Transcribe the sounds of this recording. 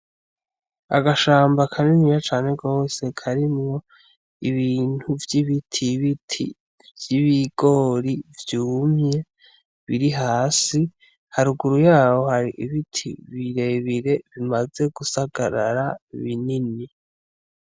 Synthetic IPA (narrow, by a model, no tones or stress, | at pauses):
a̰ɡaʃaːmbakʰaninijat͡ʃaːne̞ɡo̞ːse̞kʰaɾimŋo̞ | iβiːn̥huvjiβitʰiβitʰḭ | vjiβiɡo̞ɾivjuːmɲe̞ | βiɾiɦaːsi | haɾuɡuɾujaːwo̞haɾiʔiβitʰḭβiɾe̞βiɾe̞βimaze̞ɡusaɡaɾa̰ɾaβinini